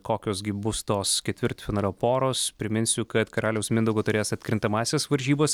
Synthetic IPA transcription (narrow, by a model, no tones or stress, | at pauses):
koːkʲoːsɡʲɪbʊst̪oːskʲɛt̪ʲʋʲɪɾt̪fʲɪnɑːlʲoːpoːɾoːspʲɾʲɪmʲɪnʲsʲʊkɐt̪kɐɾɑːlʲɛʊsmʲɪnd̪ɐʊɡoːt̪ʊɾʲeːsɐt̪ʲkɾʲɪnt̪ɐmɑːsʲeːsʋɐɾʲʒʲiːboːs